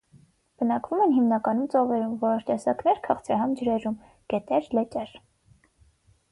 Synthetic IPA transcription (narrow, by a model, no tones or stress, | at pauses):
b̥ənɑkvumɛnɦimnɑkɑnumt͡sɔvɛɾumvɔɾt̪ɛsɑknɛɾkʰɑχt͡sʰɾɑɦɑnd͡ʒəɾɛɾum | ɡ̥ɛt̪ɛɾlɛt͡ʃʼɛɾ